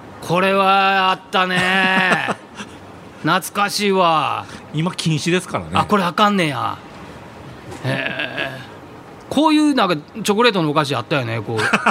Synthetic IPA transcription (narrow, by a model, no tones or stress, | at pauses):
kʰo̞ɾe̞βaːt̪ːane | nat͡sɨ̥kaɕiːβaimakʲʰĩɰ̃ɕid̪e̞sɨ̥kaɾa̰neako̞ɾe̞akãnːeja̰ | he | kʰo̞ːjɯ̟ːnãŋkat͡ɕo̞kɯ̟ɾe̞ːt̪o̞nookaɕ̬iat̪ːajone̞koː